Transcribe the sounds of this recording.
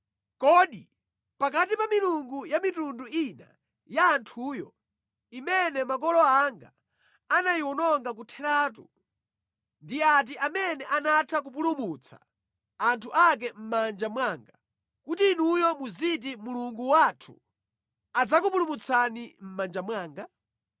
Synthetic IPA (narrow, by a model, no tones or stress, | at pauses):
kɔɗi | pak̬atipamiluŋɡujamitunduina̰ | jaːntʰuːjɔ | imɛnɛmakɔlɔaŋɡa̰ | anajiwɔnɔŋɡak̬utʰɛɾaːt̬u | ndiat̬iʔamɛnɛʔanatʰak̬up̬ulumut͡sʰḁ̰ | antʰuʔak̬ɛm̩mand͡ʒamwaːŋɡa | kutiːnujɔmuzit̬imuluŋɡuwatʰṵ | ad͡zakup̬ulumut͡sʰanim̩mand͡ʒamwaːŋɡa